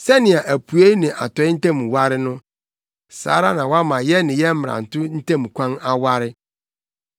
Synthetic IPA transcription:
sɛ˦nɪ̃˨a˨ʔæ˨pʰu˨e˦nɪ̃˨ʔa̰˨tɔ˨˦ɪ˦n̩˦tʰɛ̃˦˨mũ˨wa˦ɾɪ˦nʊ̃˦ | sa̰ː˨˦ɾa˦nã˨wa˦mã˨jɛ˦nɪ̃˨jɛ˦m̩˦m˨ɾã̰˨n̩˨tʰʊ˦n̩˦tʰẽ˦m˨kʷʰã˦na˦wa˦ɾɪ˦

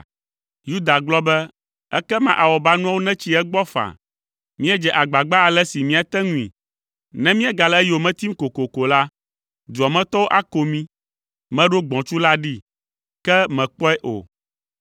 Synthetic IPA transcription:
ju˦d̪a˨ɡ͡blɔ˦bɛ˦ | ɛ̰˦kɛ˦mã̰˨ʔa˨wɔ˨ba˦nũ˦a˦wo˦nɛ̃˦t͡ɕi˦ɛ˦ɡ͡bɔ˦fa̰˨ | mĩ˦ɛ˦d͡ʒɛ˨ʔa˨ɡ͡ba˨ɡ͡ba˦a˨lɛ˦si˨mĩ˦a˨t̪ɛ˦ŋũ˦ḭ̃˨ | nɛ̃˦mĩ˦ɛ˦ɡa˨lɛ˦jo˨mɛ̃˦t̪i˦m̩˦ko˨ko˨ko˨la˦ | d̪u˨ɔ˨mɛ̃˦t̪ɔ˦wo˦ʔa˦ko˨mĩ˦ | mɛ̃˦ɖo˦ɡ͡bɔ̃˨t͡ʃu˦la˦ɖi˦ | kɛ˦mɛ̃˨k͡pɔ˦ɛ˦ʔo̰˨

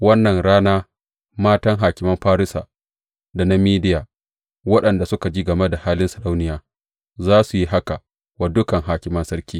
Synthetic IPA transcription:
wɐ˦nːɐ˨ŋɽaː˦naː˦ | maː˦tɐ˦ŋɦaː˨kʲɪ˨mɐ˦mɸaː˦ɾɪ˦sa̰˨ | da˨na˦miː˦dɪ˦jaː˨ | wɐ˦ɗɐ˨nda˨sʊ˦ka˨d͡ʒiː˦ɡɐ˨me˦da˨haː˦lɪ˦nsɐ˨ɽa˦wnɪ˨jaː˨ | zaː˦su˨ji˦ɦa˦ka˨ | wa˨dʊ˦kɐ˨ŋɦaː˨kʲɪ˨mɐ˦nsɐ˦ɾkʲiː˦

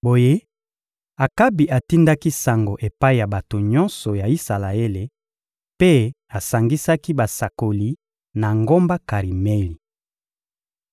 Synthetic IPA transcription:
bo˨je˦ | a˨ka˦bi˨ʔa˨ti˦nda˦ki˦sa˨ŋɡo˨ʔe˨pa˦i˨ja˨ba˨to˨ɲɔ˦nsɔ˨ja˨i˦sa˨la˨e˦le˨ | pe˦ | a˨sa˨ŋɡi˦sa˦ki˦ba˨sa˨ko˨li˨ | na˨ŋɡo˦mba˦ka˨ʁi˨me˦li˨

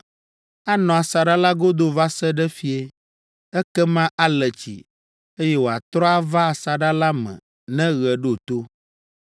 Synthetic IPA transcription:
a˦nɔ̃˨a˨sa˨ɖa˦la˦ɡo˦d̪o˦va˦sɛ˦ɖɛ˦fi˦e˦ | ɛ˦kɛ˦mã˦ʔa˦lɛ˨t͡ɕḭ˨ | e˦jɛ˦wo˨a˨t̪ɾɔ˦a˦va˦a˨sa˨ɖa˦la˦mɛ̰̃˨ | nɛ̃˦ɣɛ˨ɖo˦o˨t̪o˦

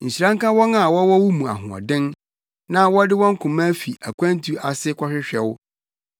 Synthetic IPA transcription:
ɲ̩˨ɕi˨ɾã˦ŋ̩˦kã˦wɔ˦nã˦˨wɔ˦wɔ˦wʊ˦mũ˨a̰˨ɦʊ̰̃˨ɔ̰˨dɪ̃˦n | nã˦wɔ˦dɪ˦wɔ̃˦ŋ̩˦kʰʊ̃˨mã˦fi˨ʔæ˨kʷã˦n˦tʰu˦a˨sɪ˦kʷʰɔ˦ɕᶣɪ˦ɕᶣɛ˨wʊ˦

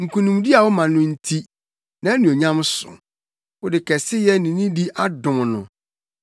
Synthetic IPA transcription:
ŋ̩˨kʰũ˨nũ˨mdi˦a˨wʊ˦mã˨nʊ̃˦n̩˦tʰi˦ | nã˨˦nĩ˨o˨ɲã˦m˦sʊ̰˨ | wʊ˦dɪ˨kʰɛ˨sɪ˦jɛ˦nĩ˨nĩ˦di˦ʔa˦dʊ̃˨m˨nʊ̰̃˨

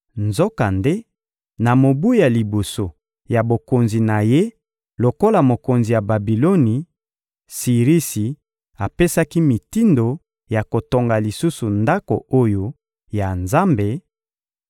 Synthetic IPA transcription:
nzo˦ka˨nde˦ | na˨mo˨bu˦ja˨li˨bo˨so˨ | ja˨bo˨ko˨nzi˨na˨je˦ | lo˨ko˦la˨mo˨ko˨nzi˨ja˨ba˨bi˨lo˦ni˨ | si˨ʁi˦si˨ | a˨pe˦sa˦ki˦mi˨ti˦ndo˨ | ja˨ko˨to˨ŋɡa˨li˨su˦su˨nda˦ko̰˨o˦jo˦ | ja˨nza˦mbe˨

